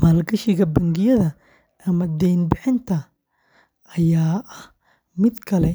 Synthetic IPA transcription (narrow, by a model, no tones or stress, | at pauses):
mɐlɡɐʃɪɣɐbɐŋɡɪjɐðɐ | ʔɐmɐd̪ɛjnbɪħɪnt̪ʰɐ | ʔɐjaːʔɐh | mɪd̪kʰɐlɛ